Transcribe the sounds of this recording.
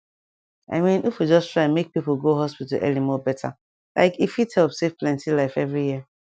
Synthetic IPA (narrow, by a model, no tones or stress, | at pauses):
ʔa̰ɪmĩnʔifud͡ʒɔstʰɹaɪ̃mek̚pipolɡoɦɔspitə̰lʔɛ̰limɔbɛtʰa̰ | lʔa̰ɪkifithɛlˠpsefplɛ̃ntilaɪfɛvɹijiə